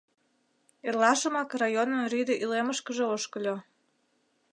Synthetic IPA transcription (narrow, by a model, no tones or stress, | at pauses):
erlɑʃəmɑkrɑjonənryd̪eʔyleməʃkəʒeoʃkəlʲo